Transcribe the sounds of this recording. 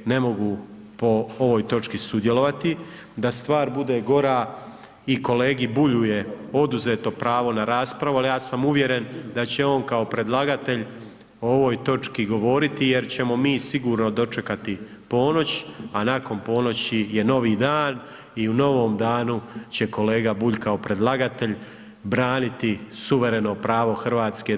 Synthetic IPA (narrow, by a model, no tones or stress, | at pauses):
ne̞mo̞ɡu | po̞oʋo̞jt̪o̞t͡ʃkisud̪je̞lo̞ʋat̪i | d̪ast̪ʋaːɾbud̪e̞ɡo̞ɾaː | iko̞leːɡibuʎuje̞o̞d̪uze̞ːt̪o̞pɾaːʋo̞naɾaːspɾaʋualijaːsamuʋje̞ɾe̞nd̪at͡ɕe̞o̞ːnkaopɾe̞d̪lˠaɡat̪e̞ʎ | ooʋo̞jt̪o̞t͡ʃkiɡo̞ʋo̞ːɾit̪ije̞ɾt͡ɕe̞mo̞miːsiɡuːɾno̞d̪o̞t͡ʂe̞kat̪ipo̞ːno̞t͡ɕanako̞npo̞ːno̞t͡ɕije̞no̞ʋiːd̪aːn | iuno̞ʋo̞ːmd̪aːnut͡ɕe̞ko̞le̞ːɡabuʎkao̞pɾe̞d̪lˠaɡat̪e̞ʎ | bɾaːnit̪isuʋe̞ɾe̞no̞pɾaːʋo̞xr̩ʋaːt̪ske̞